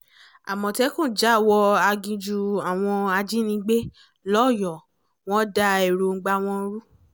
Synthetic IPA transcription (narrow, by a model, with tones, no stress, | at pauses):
a̰˨mɔ̃˨tɛ˦kũ˦˨d͡ʒa˦˨wɔ˧a˧ɡĩ˧d͡ʒu˧a˨w̃ɔ̃˧a˧d͡ʒi˦nĩ˧˦ɡ͡be˦ | lɔ˦˨jɔ˨ | w̃ɔ̃˦da˧e˨ɾo˨ŋ̩˨˦ɡ͡ba˧w̃ɔ̃˧˦ɾu˦